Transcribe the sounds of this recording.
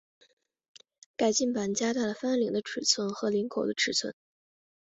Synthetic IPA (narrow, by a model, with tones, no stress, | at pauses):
ka˨˩ɪt͡ɕi˥˩npa˧˩nt͡ɕja˥t̪a˥˩ɪlə˩fa˥nli˨˧˩ŋd̪ə˦ʈ͡ʂʰɻ̩˨˩t͡sʰwə˥nxɤ˧˥li˧˥ŋkʰo˨˩ʊə˦ʈ͡ʂʰɻ̩˨˩t͡sʰwə̰˥n